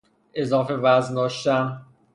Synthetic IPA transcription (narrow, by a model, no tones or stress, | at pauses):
ʔe̞zɒːfe̞væznd̪ɒːʃt̪æm